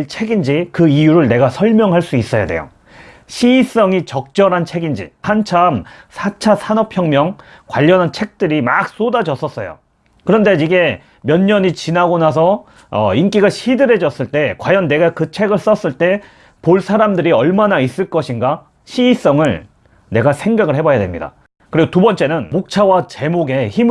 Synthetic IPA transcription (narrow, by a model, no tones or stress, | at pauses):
t͡ɕʰe̞ɡind͡ʑikɯijuɾɯɭne̞ɡasʰʌɭmjʌŋɦaɭs͈uis͈ʌja̰de̞̰jo̰ | ɕʰiːs͈ʌŋit͡ɕʌk̚t͡ɕ͈ʌɾɦant͡ɕʰe̞ɡind͡ʑḭhant͡ɕʰamsʰat͡ɕʰasʰanʌpʰjʌŋmjʌŋ | kwaʎːʌnɦant͡ɕʰe̞k̚t͈ɯɾima̰k̚s͈odad͡ʑʌs͈ʌs͈ʌjo̰ | kɯɾʌnde̞iɡe̞ | mjʌnɲʌɲit͡ɕinaɡonasʰʌ | ink͈iɡaɕʰidɯɾe̞d͡ʑʌs͈ɯɭt͈e̞kwajʌnːe̞ɡakɯt͡ɕʰe̞ɡɯɭs͈ʌs͈ɯɭt͈e̞ | poɭsʰaɾamdɯɾiʌɭmanais͈ɯɭk͈ʌɕʰinɡa | ɕʰiːs͈ʌŋɯɭ | ne̞ɡasʰe̞ŋɡaɡɯɭhe̞bajadwe̞mɲida̰ | kɯɾiɡotubʌnt͡ɕ͈e̞nɯnmok̚t͡ɕʰawat͡ɕe̞moɡe̞çim